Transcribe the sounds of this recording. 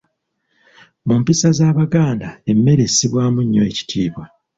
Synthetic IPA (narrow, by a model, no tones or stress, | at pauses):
mumpisazaːβaɡaːndae̞mːe̞ɾe̞siβwaːmuɲːo̞e̞ci̥tʰiːβwa